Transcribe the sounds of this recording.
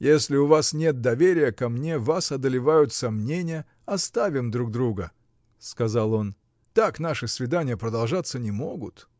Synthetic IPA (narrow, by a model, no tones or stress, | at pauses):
jesʲlʲɪʊvasnʲe̞t̪̚d̪ɐvʲeɾʲɪjəkɐmnʲe̞vasɐd̪əlʲɪvajʊt̪sɐmnʲenʲɪjə | ɐst̪avʲɪmd̪ɾuɡ̚d̪ɾuɡə | skɐzalˠo̞n | t̪aknaʂɨsvʲɪd̪anʲɪjəpɾəd̪ɐlˠʐat̪sːənʲɪmoɡʊt̪